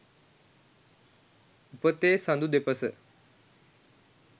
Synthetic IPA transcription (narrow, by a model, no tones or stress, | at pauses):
upət̪eːsãnd̪ud̪epəsə